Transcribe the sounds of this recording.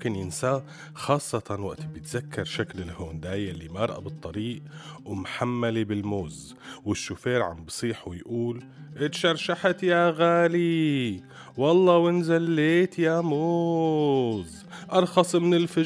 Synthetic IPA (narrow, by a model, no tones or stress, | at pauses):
kɪnjɪnsaː | xɑːsˤːɑt̪ɑnwa̰ʔt̪ibjɪt̪z̥akːɑɾˤʃaklɪlhoːnd̪aːjalːimaʔɑɾˤʔa̰bɨt̪ˤːɑɾiːʔwɪmħamːalibɪlmoːz | wɪʃːʊfeːɾʕa̰mbsˤiːħuwɪjʔuːl | ʔɪt̪ʃɑɾˤʃaħat̪jaɣaːli | wɑlˤːɑːwɪnzalːeːt̪jamoː | z | ʔɑɾˤxɑsˤmɪnɪlfɪ